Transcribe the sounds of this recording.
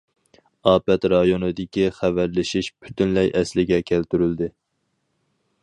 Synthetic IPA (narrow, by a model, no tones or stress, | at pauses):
ɑːpɛt̪ɾɑjonɨd̪ɪkʲiχævæɾlɪʃiʃpʰy̥t̪ynlɛjʔɛslɪɡʲɛkʲʰælt̪yɾyld̪ɪ